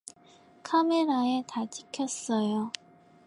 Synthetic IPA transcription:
kʰameɾaetat͡ɕikʰjʌs͈ʌjo

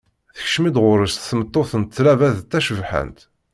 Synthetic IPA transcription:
θə̥çʃmid̪ʁʊɾəst̪θəmət̪ˤːoθənt̪θlævæðt̪ːæʃəvħə̰nt̪

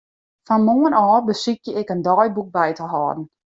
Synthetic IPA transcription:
fɔnmoənɔːbəsikjəɪkəndɔːjbuk̚bɛjtəɦɔːdn̩

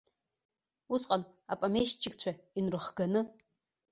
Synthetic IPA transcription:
usqʼan | apʼamejʃt͡ʃʰʼɪkʼt͡ɕʷʰainrɨχɡanɨ

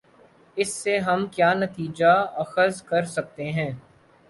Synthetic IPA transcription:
ɪsːeɦɐmkjaːnɐt̪iːd͡ʒaɐxəzkɐɾsɐk̚t̪eɦɛ̃ː

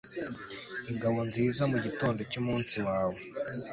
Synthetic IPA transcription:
iŋɡaβo̞nziːzamuɟito̞ːndo̞cumuːnsiwaːwe̞

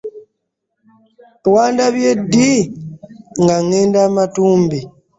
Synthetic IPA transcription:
wandaβjedi | ŋɡaŋeːndamatuːmbi

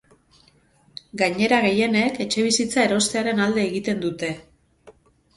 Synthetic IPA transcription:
ɡaɲe̞ɾaɣe̞je̞ne̞ke̞t͡ʃe̞β̞isit͡sae̞ɾo̞st̪e̞aɾe̞nald̪e̞ːɣit̪e̞nd̪ut̪e̞

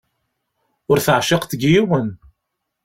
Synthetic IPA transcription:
ʊɾθəʕʃɪqθɡjiwən

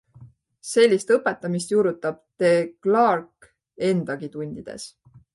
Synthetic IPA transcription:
se̞lʲːist̪ɤpːe̞t̪ːˑɑmist̪juːɾut̪ːˑɑb̥̚t̪e̞klɑrk | e̞nd̪̥ɑɡit̪unʲd̪̥id̪̥e̞̰s

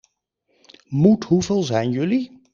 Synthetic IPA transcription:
mutɦuvɪːlˠzɛjnjɵli

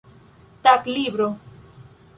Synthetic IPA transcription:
t̪aklibɾo

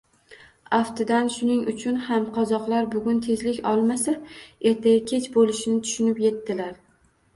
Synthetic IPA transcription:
aft̪ʰɪd̪anʃʊnɪŋʊt͡ʃʰʊnhamqʰɒzɒqlˠaɾbʊɡʲʊnt̪ʰe̞zlɪkʲɒlˠmasae̞ɾt̪ʰajakʲʰe̞t͡ʃbolɪʃɪnɪt̪ʰʊ̥ʃʊnɪpje̞t̪ːɪlaɾ

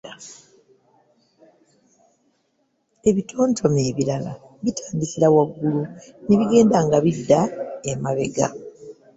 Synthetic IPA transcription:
e̞βitʰo̞ːntʰo̞me̞ːβilala | βitʰaːndisiɾawaɡːuluneβiɡe̞ːndaŋɡaβidːaemaβe̞ɡa̰

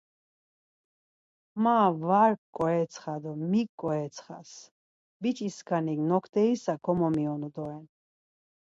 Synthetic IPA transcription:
mavaɾkʼːɔɛt̪sʰχad̪ɔmikʼːɔɛt̪sʰχa̰s | bit͡ʃʼiskʰaniɡnɔkʰd̪ɛisakʰɔmɔmiɔnɔd̪ɔɛn

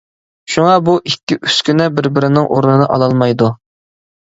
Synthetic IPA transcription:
ʃuŋɑbuʔikʲːiʔyskʲynɛbɪɾbɪɾɪnɪŋʔoɾnɨnɨʔɑ̰lˠɑlˠmɑjd̪u

